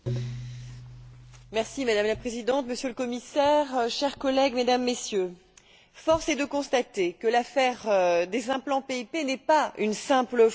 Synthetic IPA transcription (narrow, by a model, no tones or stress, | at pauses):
mɛʁsimad̪amlapχezid̪ɑ̃t̪məsjøləkɔmisɛʁʃɛʁkɔlɛɡmed̪amːesjø | fɔʁsɛd̪əkɔ̃st̪at̪ekəlafɛʁd̪ezɛ̃plɑ̃peipenɛpaynsɛ̃plə